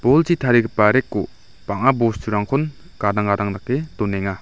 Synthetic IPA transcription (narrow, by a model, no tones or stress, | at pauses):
b̥ɔlt͡ʃitʰaɾiɡɯpːaɾekːo | paŋabɔstʰuɾaŋkʰɔn | ɡ̥adaŋɡadaŋnakːetɔneŋa